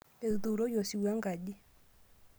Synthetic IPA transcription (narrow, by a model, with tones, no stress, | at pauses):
e˨ðu˨ɾɔ˦jɔ˨si˨wa˦ŋɡa˨ɗi˦